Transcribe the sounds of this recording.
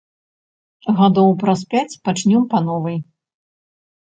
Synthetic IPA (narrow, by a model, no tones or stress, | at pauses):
ɣad̪ɔwpɾaspʲat͡sʲpat͡ʂnʲɔmpanɔvɨj